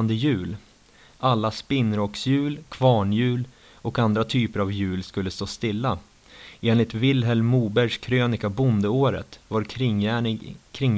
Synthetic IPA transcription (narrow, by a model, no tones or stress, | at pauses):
nd̪əjʉ̟ːl | ʔalːaspɪnːɾɔksjʉ̟ːlkʰv̥ɑːɳjʉ̟ːl | ɔkand̪ɾat̪ʰyːpəɾavjʉ̟ːlskɵlːəst̪oːst̪ɪlːa | eːnlɪt̪vɪlɦɛlmuːbæɾʂkʰɾøːnɪkabʊnd̪əoːɾə̰t̪vaɾʰ | kʰɾɪŋ